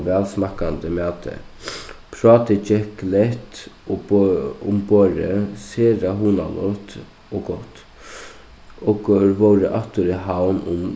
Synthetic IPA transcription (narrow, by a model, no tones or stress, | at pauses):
ʋɛːlsmɑkɑnd̪əmɛːt̪ə̰ | pʰɾɑːt̪ət͡ʃɛklɛt̪ | ʊmboːɾə̰seːɾɑɦuːnɑ̰lɔ̰t̪ | ʔoːɡɔt̪ː | oɡʋoɾəʔɑt̪ːʊɾəhɑʊnʊm